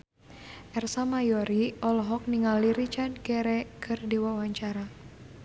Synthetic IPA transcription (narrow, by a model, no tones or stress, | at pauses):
ʔɛrsamajɔɾiɔlɔɦɔk̚niŋalːiɾit͡ʃard̚kɛɾɛkʰɨrdiwawaɲt͡ʃaɾa